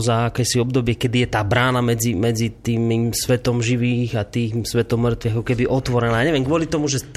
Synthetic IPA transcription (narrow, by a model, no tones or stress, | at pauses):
zaakɛːsiɔbd̪ɔbɪɛkɛd̪ijɛt̪aːbɾaːnamɛd͡zimɛd͡zit̪iːmimsʋɛt̪ɔmʒiʋiːɣat̪iːxsʋɛt̪ɔmːr̩t̪ʋiːakɔkɛbiʔɔt̪ʋɔɾɛnaːjaɲɛʋɛmɡʋʊɔlit̪ɔmuʒɛ